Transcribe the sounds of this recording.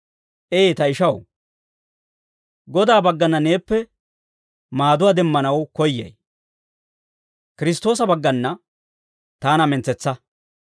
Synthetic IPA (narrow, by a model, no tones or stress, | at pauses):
ʔeːt̪ɐɪʃɐw | ɡɔd̪aːbɐɡːɐnːɐne̞ːpːɛ | maːd̪ʊwaːd̪ɛmːɐnɐwkɔjːɛ̰j | kɪɾɪst̪ːo̞ːs̬ɐbɐɡːɐnːɐ | t̪aːnɐmɛnt͡sɛt͡sːɐ